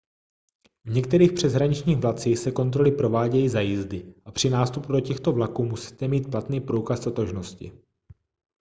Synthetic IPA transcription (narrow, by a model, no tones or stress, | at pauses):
vɲɛkt̪ɛɾiːxpr̝̥ɛzɦɾaɲɪt͡ʃɲiːɣvlat̪t͡siːxsɛko̞nt̪ɾo̞lɪpɾo̞vaːɟɛjiːzajɪzdɪʔapr̝̥ɪnaːst̪upudo̞cɛxt̪o̞vlakuːmusi̥ːt̪ɛmiːt̪̚plat̪niːpɾuːkast̪ot̪o̞ʒno̞scɪ̰